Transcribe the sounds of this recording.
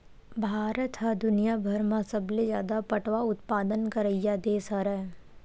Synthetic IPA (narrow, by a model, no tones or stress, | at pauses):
bʱaːɾət̪ɦad̪ʊnijabʱɐɾmãsɐbled͡ʒjaːd̪apɐʈʋaʊt̪̚paːd̪ənkəɾəjad̪eːsaɾɛː